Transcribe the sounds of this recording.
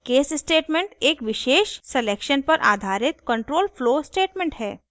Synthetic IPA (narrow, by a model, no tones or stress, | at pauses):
keːssʈeːʈmẽɳʈeːkʋɪʃeːʃseleːkʃənpɐɾʔa̰ːd̪ʱaːɾɪt̪kə̃ɳʈɾoːlfloːsʈeːʈmẽɳʈɦɛː